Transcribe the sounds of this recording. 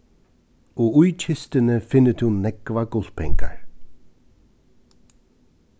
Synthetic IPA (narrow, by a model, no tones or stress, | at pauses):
ɔujt͡ʃʰɪst̪ənəfɪnət̪ʰunːɛɡ̥vaɡʊl̥pʰɛŋka̰ɹ